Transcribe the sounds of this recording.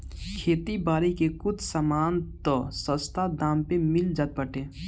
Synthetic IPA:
kʰeːt̪ibaːɾikekʊd̪səmaːnt̪ɔsə̃st̪ʰad̪aːmpemɪld͡ʒat̪̚bəʈẽː

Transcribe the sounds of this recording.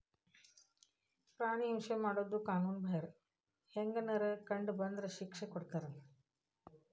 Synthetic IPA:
pɾaːɽ̃iɐmʂɐmaɽod̪ukaːnuːnbʱɐɐɾ | heŋɡɐnɐɾɐkɐɳɖbɐnd̪ɾɐɕikʂɐkɔɽkɐɾɐn

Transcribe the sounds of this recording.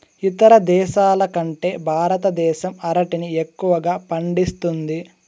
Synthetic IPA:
it̪ɐɾɐd̪ɛːʃaːlɐkɐɳʈe̞ːbʱaːɾɐt̪ɐd̪ɛːʃɐmɐɾɐʈiniekːuʋɐɡaːpɐɳɖist̪und̪i

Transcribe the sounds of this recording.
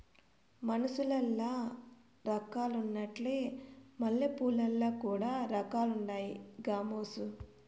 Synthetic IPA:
mɐnusulɐlːaː | ɾɐkaːlunːɐʈleːmɐlːepuːlɐlːaːkuːɽaːɾɐkaːluɳɖaːjiɡaːmoːsu

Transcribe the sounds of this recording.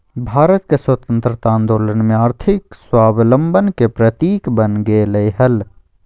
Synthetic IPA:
bʱaːɾət̪̚keswɐt̪ə̃nt̪ɾət̪ãːnd̪oːlənmẽaːɾt̪ʰɪkswaːbləmbʱənkepɾɐt̪iːkbənɡeːləjɦɐl

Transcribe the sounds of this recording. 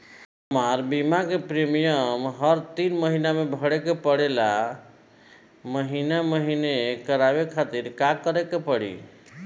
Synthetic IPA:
ɦəmaɾbimakepɾemijəmɦəɾt̪inməɦinamebʱəɽekepəɽela | məɦinaməɦinekəɾabekʰat̪iɾkakəɾekepəɽḭ

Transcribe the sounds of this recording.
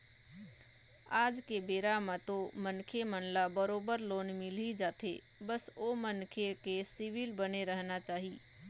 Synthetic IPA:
aːd͡ʒkebeːɾamãt̪omə̃nkʰemənlabəɾoːbəɾloːnmɪlid͡ʒaːt̪ʰḛ | bəsomənkʰekesɪʋɪlbəneɾəɦnat͡ʃaːɦiː

